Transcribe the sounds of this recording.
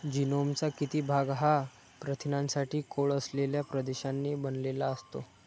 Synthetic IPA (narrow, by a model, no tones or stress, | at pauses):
d͡ʑinomt͡sakit̪iːbʱaɡɦa | pɾət̪ʰinãnsaʈʰiːkoɭəsleljapɾəd̪eɕanːibənlelaəst̪o